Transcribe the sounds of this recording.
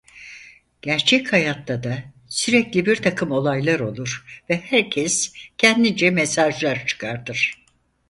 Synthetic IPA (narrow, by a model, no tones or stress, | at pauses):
ɟ̥æɾt͡ʃʰɛchajat̪lad̪a | syɾɛclʲibiɾt̪ʰakʰɯmo̞lˠajlˠaɾo̞lˠuɾ̥vɛhæɾcʰɛscʰɛnd̪id͡ʒɛmesaʒlˠaɾt͡ʃʰɯ̥kʰaɾt̪ɯɾ̥